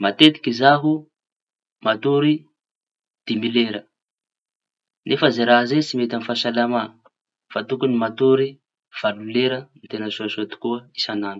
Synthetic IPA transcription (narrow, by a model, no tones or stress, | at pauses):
mat̪et̪i̥kʲizaɦu | mat̪uɾi | d̪̥imileɾə | nefəzeɾaɦzet͡simet̪anifaʃalama | fat̪ukunimat̪uɾi | v̥aluleɾəmit̪enəsuasot̪i̥kuəisananu̥